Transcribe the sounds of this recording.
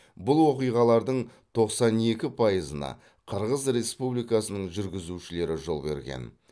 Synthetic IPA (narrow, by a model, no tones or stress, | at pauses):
bʊlˠwo̞qijʁɑlˠɑɾd̪əɴt̪ʰo̞qsɑne̞kʲɪpʰɑjəzənɑ̰ | qʰəɾʁəzɾe̞spublijkɑsənəɴʒʏɾɡʲɪzuʃɪle̞ɾɪʒo̞lˠbe̞̰ɾɡʲe̞̰n